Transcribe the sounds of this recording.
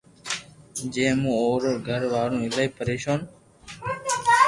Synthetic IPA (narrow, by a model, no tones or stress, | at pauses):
d͡ʒẽːmũːoːɾəɾɡʱəɾʋaːɽũːɪlaːiːpəɾeːʃoːn